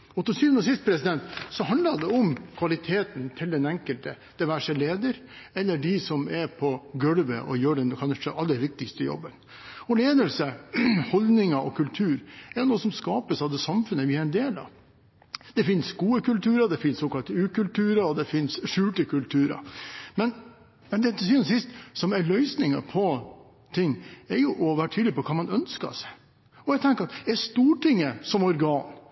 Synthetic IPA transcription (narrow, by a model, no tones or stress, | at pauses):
ɔt̪ːəsyːʋənɔs̬ɪst̪̚pʰɾɛsɪd̪ɛnt̪sɔɦɑnd̪lɑd̪ɛɔmkʰʋɑlɪt̪ʰeːt̪nt̪ʰɪld̪ɛnɛŋkəlt̪ə | d̪̥ɪʋæʂəleːd̪əɾ | ɛlːəɖɪsɔmɛɾpʰɔɡœɽʋə̰ʔɔ̰jøːɖɛnkʰɑnʂəʔɑlːəʋɪk̚t̪ɪkst̪əjɔ̰bːən | ɔleːd̪əlsəhɔld̪nɪŋɑʔɔkʰʉlt̪ʰʉːɾɛɾnouːəsɔmskɑːpəsɑʋd̪ɛsɑmfʉnːəʋɪɑɾɛnd̪eːlɑ̰ʋ | d̪̥ɛfɪnsɡuːəkʉlt̪ʉːɾɑd̪ɛfɪnsoːkɑlt̪əʉːkʉlt̪ʉːɾɑɾɔd̪ɛfɪnsʂʉːʈəkʉlt̪ʰʉːɾɑ̰mɛn | mɛnd̪ɛd̪s̬iːnsɪst̪sɔmæɭœʏsnɪŋɑ̰pʰɔ | t̪ʰɪŋːɛɾjʊʔɔʋæːɾəʈʰyːd̪lɪpʰɔkʰɑːmɑnœnskɑ̰s | ɔɛɡt̪ʰɛŋkəɾɑt̪ɛst̪uːʈɪŋːəsɔmɔɾɡɑːn